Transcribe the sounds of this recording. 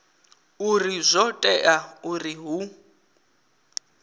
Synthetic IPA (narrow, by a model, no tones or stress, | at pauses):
urizʷɔtʼɛʔauriɦu